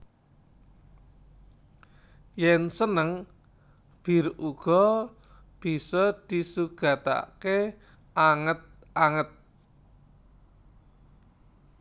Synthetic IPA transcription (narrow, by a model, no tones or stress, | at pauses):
jɛnsənəŋ | b̥i̤ruɡ̥ɔ | b̥i̤sɔd̪̥isuɡ̥a̤t̪a̰ke | ʔaŋət̪̚ | aŋət̪̚